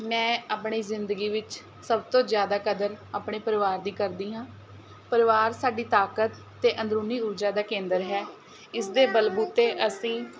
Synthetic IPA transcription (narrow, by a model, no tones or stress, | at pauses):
mɛ̃ːaːpɳiːzɪnd̪əɡiːʋɪt͡ʃ | səbt̪õːzjaːd̪aːkəd̪əɾaːpɳeːpəɾəʋaːɾd̪iːkəɾd̪iːɦãː | pəɾɪʋaːɾsaːɖiːt̪aːkət̪ːeːʔənd̪ɾuːniːuɾd͡ʒaːd̪aːkẽːnd̪əɾɦɛː | ɪsd̪eːbəlbuːt̪eːʔəsĩː